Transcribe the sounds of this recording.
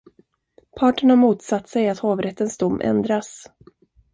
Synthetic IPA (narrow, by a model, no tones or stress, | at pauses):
pʰɑːʈəɳamuːt̪sat̪ːsɛjat̪hoːvɾɛt̪ːənsd̪ʊmːʔɛ̰nd̪ɾas